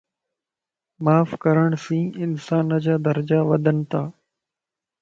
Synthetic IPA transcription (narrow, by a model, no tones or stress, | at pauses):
maːfkəɾəɳ̃sĩːɪnsaːnəd͡ʑaːd̪əɾəd͡ʑaːʋəd̪ʱənt̪aː